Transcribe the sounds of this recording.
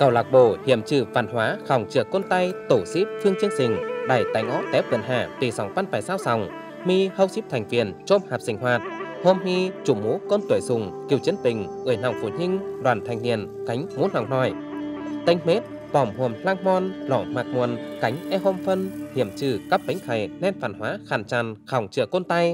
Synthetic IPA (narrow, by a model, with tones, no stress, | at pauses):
kə˨˩wlaː˨˩k̚ɓo˧˩hi˧˨əmt͡ɕɨ˧˩va̰ː˨˧˩nhwaː˨˦xa˨˧˩wŋ͡mt͡ɕɨ˨˧˩əkːo˧nt̪a˧jt̪o˧˩si˦˥p̚fɨ˧əŋt͡ɕi˧əŋsï˨˩ŋ̟ɗaː˨˩jt̪a˨˦jŋʔɔ˦˥p̚t̪ɛ˨˦˥p̚və̰˨˧˩nɦaː˧˩t̪i˨˩sa˨˦wŋ͡mva˧nvaː˧˩jsaː˧wsa˨˧˩wŋ͡m | mi˧hə˧wsi˦˥p̚t̪ʰjŋ̟vḭ˧˨ənt͡ɕo˧mhaː˨˩p̚sï˧˩ŋ̟ɦwaː˨˩t̚ho˧mŋi˧t͡ɕu˧˩mo˨˦kɔ˧nt̪wu˨˧˩əjsʊ˨˩ŋ͡mki˨˩əwt͡ɕi˨˦ənpï˨˩ŋ̟ʔɨː˧˩jna˨˩wŋ͡mfu˧˩ɲi˧ŋ̟ɗwaː˧˩nt̪ʰa˨˩jŋ̟nḭ˧˨ənka˨˦jŋ̟mo˨˦na˨˩wnɔ˧˩j | t̪ə˧jŋ̟me˦˥t̚ | pɔ˧˩mhu˨˩ənplaː˧ŋmɔ˧nlɔ̰˧˩maː˨˩k̚mu˨˧˩ənka˨˦jŋ̟ʔɛ˧ho˧mfə˧nhḭ˧˩əmt͡ɕɨ˧˩kaː˦˥p̚pə˨˦ŋ̟xa˨˩jnɛ˧nfa̰ː˧˩˨nhwaː˨˦xaː˧˩nt͡ɕaː˧˩nxa˨˧˩wŋ͡mt͡ɕɨ˧˩əko˧nt̪a˧j